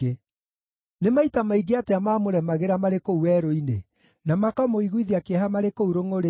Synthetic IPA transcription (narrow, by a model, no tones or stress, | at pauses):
e | nemaitamaiɡeateamaːmoɾɛmaɣeɾamaɾekouwɛɾoine | namakamoiɣwiðiakeɦamaɾekouɾoŋoɾe